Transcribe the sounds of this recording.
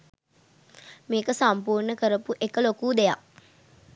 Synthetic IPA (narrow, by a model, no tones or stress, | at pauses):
meːkəsampuːrnəkəɾəpuʔekəlokuːd̪ejak